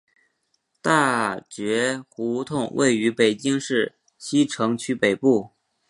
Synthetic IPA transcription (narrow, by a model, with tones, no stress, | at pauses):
t̪a˥˩t͡ɕɥɛ˧˥xu˧˥t̪ʰʊ˥˩ŋwʔḛ˥˩ɪy˧˥pe˨˩ɪt͡ɕi˥ŋʂɻ̩˥˩ | ɕi˥ʈ͡ʂʰɤ˧˥ŋt͡ɕʰy˧˥pe˨˩ɪpu˥˩